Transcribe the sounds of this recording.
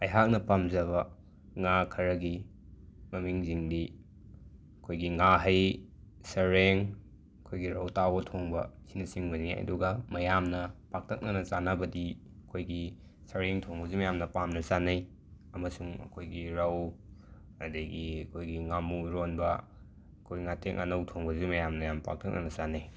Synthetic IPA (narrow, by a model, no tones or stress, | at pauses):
ɐjɦak̚nɐpamzɐβɐ | ŋakʰɐɾɐɡi | mɐmiŋziŋdi | ɐkʰojɡiŋaɦɐj | sɐɾeŋ | ɐkʰojɡiɾawtawbɐtʰoŋbɐ̰sinɐsiŋbɐniɐ̰duɡɐmɐjamnɐpak̚tʰɐk̚nɐnɐt͡ʃanɐbɐdi | ɐkʰojɡi | sɐɾeŋtʰoŋbɐzumɐjamnɐpamnɐsanɐj | ɐmɐsuŋɐ̰kʰojɡiɾaw | ɐdeɡiɐkʰojɡiŋamuɾonbɐ | ɐkʰojŋatʰeŋʔa̰nɐwtʰoŋbɐzumɐjamnɐjampa̰k̚tʰɐk̚nɐ̰nɐt͡ʃanɐj